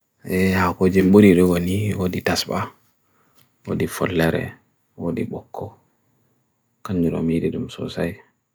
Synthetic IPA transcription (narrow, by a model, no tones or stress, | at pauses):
ʔɛhakod͡ʒɛmɓuɾiɗɔwoniwoditasba | wo̰difɔ̰lːɛɾɛ̰ | wodiɓɔkʰːɔ | kaɲd͡ʒuɾɔ̰midiɗumsɔ̰saj